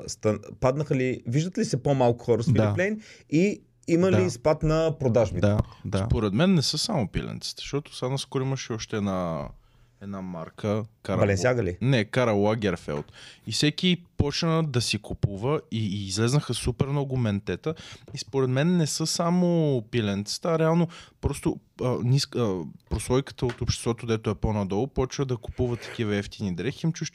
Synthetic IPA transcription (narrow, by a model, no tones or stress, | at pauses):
st̪ɐnpad̪nəxəliviʒd̪ət̪lisɛpomalˠkʊ̥xɔɾəsfiɾlɛni | iməlispat̪nɐpɾod̪aʒbit̪d̪̰d̪sapoɾɛd̪mɛnːɛsɤsamʊpḭlɛ̰nt̪si̥t̪ɛ̥ʃt̪ɔt̪ʊ̥sanɐskoɾiməʃɛɔʃt̪ɛːd̪na | ɛd̪namaɾkʰəkaɐlɛnsjaɡəlinɛkaɾɐlˠaɡʲɛɾfɛ̰lˠt̪ifsɛk̟ʲipɔt͡ʃnəd̪ɐsikupuvəiːzlɛznəxəsupɛɾmnɔɡʊmɛnt̪ɛt̪əispoɾɛt̪mɛnːɛsɤsamopilɛnt̪sə̥t̪əaɾɛalˠnopɾɔst̪ʊnʲisəpɾosˠɔjkə̥t̪əot̪opʃt̪ɛ̥st̪vɔt̪ʊd̪ɛt̪oɛponɐd̪ɔlˠʊpɔt͡ʃnəd̪ɐkʊ̥puvət̪ɐ̥k̟ʲivɐɛft̪inid̪ɾɛxiimt͡ʃuʃ